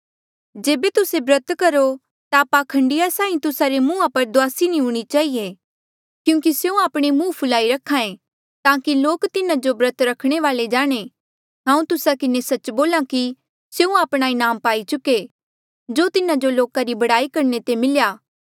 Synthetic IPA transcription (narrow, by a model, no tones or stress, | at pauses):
d͡ʒeːbet̪ʊsebɾɐt̪kɐɾo | t̪apakʰɐ̃ɳɖɪjasãːĩt̪ʊsaɾemũːãpɐɾd̪ʊaːsinĩɦʊɽ̃it͡ʃaːie | kjũːkiseũaːpɽ̃emũːpʰʊlaːiɾɐkʰːãːẽ | t̪ãːkiloːkt̪ɪnãd͡ʒobɾət̪ɾɐkʰɽ̃eʋaːled͡ʒaːɽ̃e | ɦãːũt̪ʊsakɪnesɐt͡ʃboːlãki | seũaːpɽ̃aɪnaːmpaːit͡ʃʊke | d͡ʒoːt̪ɪnad͡ʒoloːkaɾibɐɽaːikɐɾnet̪emɪljaː